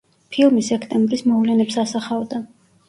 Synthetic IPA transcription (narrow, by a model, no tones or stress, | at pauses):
pʰilˠmisɛkʰt̪ʼɛmbɾismɔvlɛnɛpsasaχavd̪a